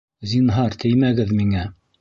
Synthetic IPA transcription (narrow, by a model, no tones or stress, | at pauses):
zʲinɦɑɾt̪ʰɘjmæɡɘðmiŋæ